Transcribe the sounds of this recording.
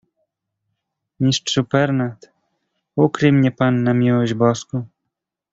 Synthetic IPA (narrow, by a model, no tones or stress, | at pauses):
ɲiʂt͡ʂupɛɾnat̪ | ukɾɘmɲɛpanːamʲiwɔʑd͡ʑbɔsku